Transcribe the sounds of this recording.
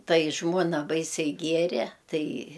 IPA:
ˈtɐɪ ˈʒmuɔnɐ ˈbɐɪsʲɛɪ ˈɡʲiɛrʲɛ ˈtɐɪ

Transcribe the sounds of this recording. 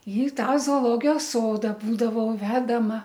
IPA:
ɪ ˈtɑː zoːoːˈlˠoːɡʲɪjoːs ˈsoːdɐ ˈbuːdɐʋɐʊ ˈʋʲæːdɐmɐ

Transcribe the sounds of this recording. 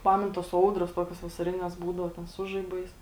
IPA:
ˈpɑːmʲɛn toːs ˈɐʊdroːs ˈtoːkʲoːs ʋɐsɐˈrʲɪnʲɛs ˈbuːdɐʊ ˈtʲɛn ˈsʊ ʒɐɪˌbɐɪs

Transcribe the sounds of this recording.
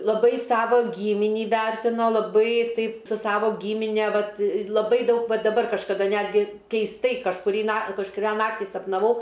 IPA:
lˠɐˈbɐɪ ˈsɑːʋoː ˈɡʲiːmʲɪnʲiː ˈʋʲɛrʲtʲɪnoː lˠɐˈbɐɪ ˈtɐɪp sʊ ˈsɑːʋoː ˈɡʲiːmʲɪnʲɛ ˈʋɐt lˠɐˈbɐɪ ˈdɐʊk ˈʋɐ dɐˈbɐr kɐʃkɐˈdɐ ˈnʲæːdʲɡʲɪ kʲɛɪsˈtɐɪ kɐʃkʊˈrʲiː nɐ kɐʃkʊˈrʲæː ˈnɑːktʲiː sɐpnɐˈʋɐʊ

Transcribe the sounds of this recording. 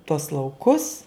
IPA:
tuɔs lˠɐʊˈkʊs

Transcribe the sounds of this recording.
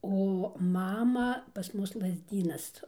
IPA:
oː ˈmɑːmɐ pɐs ˈmʊs lˠɐzʲˈdʲiːnɐs

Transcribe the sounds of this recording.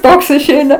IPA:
ˈtoːks ɪʃʲˈɛɪnɐ

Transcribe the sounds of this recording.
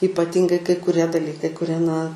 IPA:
iːpɐˈtʲɪŋɡɐɪ kɐɪ kʊˈrʲiɛ dɐˈlʲiːkɐɪ kʊˈrʲiɛ nɐ

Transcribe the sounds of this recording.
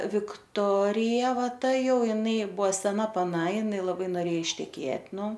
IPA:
ʋʲɪkˈtoːrʲɪjɛ ˈʋɐ ˈtɐ ˈjɛʊ ɪˈnɐɪ ˈbʊʋoː sʲɛˈnɐ pɐˈnɐ ɪˈnɐɪ lˠɐˈbɐɪ noːˈrʲeːjɛ ɪʃʲtʲɛˈkʲeːtʲ ˈnʊ

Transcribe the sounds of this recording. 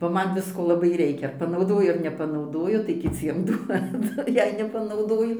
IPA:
bɐ ˈmɐn ˈʋʲɪskoː lˠɐˈbɐɪ ˈrʲɛɪkʲɛ pɐnɐʊˈdoːjʊ ɐr nʲɛpɐnɐʊˈdoːjʊ tɐɪ kʲɪˈt͡sʲiɛm ˈduɔdʊ ˈjɛɪ nʲɛpɐnɐʊˈdoːjʊ

